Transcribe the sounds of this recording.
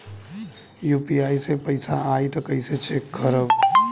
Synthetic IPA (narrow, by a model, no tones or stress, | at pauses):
juːpiaːisepɐɪsaaːit̪ɐkɐɪset͡ʃekɡəɾəb